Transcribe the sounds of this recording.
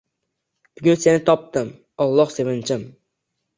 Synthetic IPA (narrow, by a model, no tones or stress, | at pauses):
b̥ʊɡʲʊnse̞nɪt̪ʰɒp̚t̪ɪm | ɒlˠːɒhse̞vɪnt͡ʃʰɪm